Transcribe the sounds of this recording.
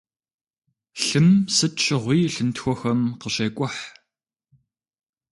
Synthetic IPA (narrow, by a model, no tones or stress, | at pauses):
ɬɨmsɨt͡ʃʰʼɪʁʷiːɬɨntxʷɔxɐmqəɕeːkʷʼɔħ